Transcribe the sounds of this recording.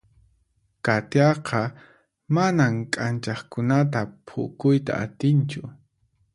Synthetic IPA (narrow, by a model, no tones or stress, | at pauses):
kat̪jɑqʰɑ | manamkʼant͡ʃɑχkʊnat̪apʰʊ̰kʊjt̪a̰ʔat̪ɪnt͡ʃʊ